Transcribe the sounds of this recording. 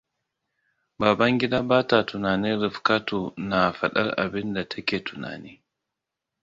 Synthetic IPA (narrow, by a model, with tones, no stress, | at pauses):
baː˨ba˦ŋɡʲɪ˦daː˦baː˦ta˨tʊ˨naː˨ni˦ɾɪ˨fka˦tu˨na˨fa̰˨ɗa̰˦ɾʔa̰˨bɪ˦nda˨tʰa˦kʲeː˨tʰʊ˨na̰ː˨niː˦